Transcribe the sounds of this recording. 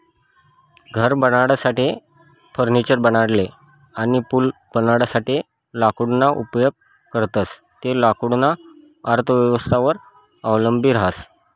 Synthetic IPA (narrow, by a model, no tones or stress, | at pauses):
ɡʱəɾbəɽaɽasaʈi | fʰəɾnit͡ɕəɾbəñaɽle | añipulb̥ənaɽsaʈi | lakuɽnaʔupjoɡ̚ | kəɾt̪ət͡s | t̪elakuɽna | əɾt̪ʰəʋjəʋəst̪ʰaʋəɾ | əʋləmbʱiːɾaɦas